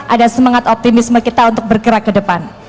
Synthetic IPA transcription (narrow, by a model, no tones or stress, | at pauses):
ʔadasəmaŋat̪ɔp̚t̪imɪsməkit̪aunt̪ʊk̚bərɡəɾakːədəpan